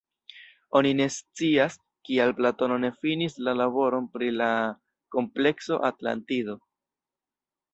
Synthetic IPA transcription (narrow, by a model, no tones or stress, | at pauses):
o̞nine̞st͡sias | kialplato̞no̞ne̞finislalabo̞ɾo̞npɾila | ko̞mple̞kso̞̰ʔatla̰ntido̞